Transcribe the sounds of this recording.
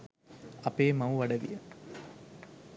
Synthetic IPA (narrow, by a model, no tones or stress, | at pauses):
ɐpeːmɐwʋɐɖɐʋḭjə